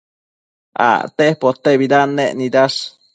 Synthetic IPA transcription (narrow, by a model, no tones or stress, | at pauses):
a̰t̪ehpot̪ebid̪anːeʔnid̪as